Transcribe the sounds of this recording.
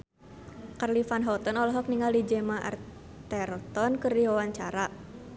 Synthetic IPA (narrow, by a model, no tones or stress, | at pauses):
karlifanɦɔt̪ɔnɔlɔɦɔk̚niŋaldid͡ʒɛmaʔa̰r | t̪ɛrt̪ɔnkɨrdiwawaɲt͡ʃaɾa